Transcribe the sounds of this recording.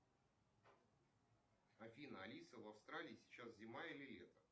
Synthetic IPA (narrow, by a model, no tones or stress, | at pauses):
ɐfʲinəɐlʲisəvɐfst̪ɾalʲɪːsʲɪ̥t͡ɕaszʲɪmailʲɪlʲet̪ə